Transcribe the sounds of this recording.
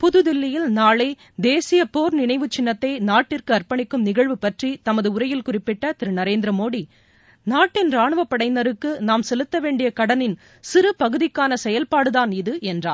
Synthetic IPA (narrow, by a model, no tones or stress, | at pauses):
pʊðɯðɪlːɪjɪlnaːɭeː | d̪eːsɪjɐpoːɾnɪɳɐɪʋɯt͡ʃːɪnːɐt̪ːɐɪnaːʈːɪrkɯɐrpɐɳɪkːɯmnɪɣɐɻʋɯpɐʈrit̪ɐmɐðɯʊɾɐjɪlkʊrɪpːɪʈːɐt̪ɪɾɯnɐɾeːnd̪ɾɐmoːɽi | naːʈːɪnraːɳɯʋɐpːɐɽɐɪnɐɾɯkːɯnaːmsɛlɯt̪ːɐʋeːɳɖɪjɐkɐɽɐnɪn | sɪɾɯpɐɣɯðɪkːaːnɐsɛjɐlpaːɽɯðaːnɪðɯʔɛndra̰ːn